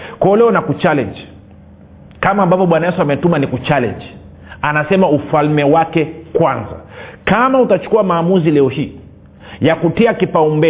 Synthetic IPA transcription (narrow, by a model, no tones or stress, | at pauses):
kwaɔlɛɔnakut͡ʃalɛ̰nd͡ʒ | kamaːmbapɔɓwanajɛsuamɛtumanikut͡ʃalɛ̰nd͡ʒ | anasɛmaufalmɛwakɛkwanza̰kamautat͡ʃu̥kuamaːmuzilɛɔhiː | jakutiakipaumbɛ